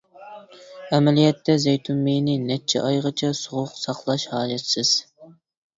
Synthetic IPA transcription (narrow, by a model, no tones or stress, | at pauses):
ɛmɛlijɛt̪ʰːɛzejt̪ʰumːejnɪnɛt͡ʃʰːɛ̰ʔɑjʁət͡ʃʰɛsoʁʊqsɑqlˠɑʃhɑːd͡ʒɛt̪sɪz̥